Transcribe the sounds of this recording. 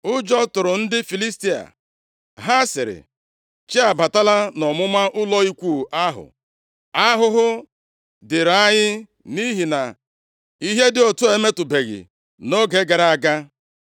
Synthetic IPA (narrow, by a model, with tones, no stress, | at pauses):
ʊ˦d͡ʒɔ˦tʊ˨ɾʊ˨n̩˦dɪ˦fi˨li˦sti˦a̰˨ | ɦa˦sɪ˨ɾɪ̰˨ | t͡ʃi˦a˨ba˨ta˦la˦nɔ˨mʊ˦ma˦ʔʊ˦lɔ˦i˦kʷu˦˨ʔa˦ɦʊ̰˨ | a˦ɦʊ˦ɦʊ˦ | dɪ˨ɾa˦ɲɪ˦ | ni˦ɦi˨na˨ | i˦ɦe˦dɪ˦o˨tu˦e˨me˦tʊ˨be˨ɣɪ̰˨ | no˦ɡe˦ɡa˨ɾa˦˨a˨ɡa˦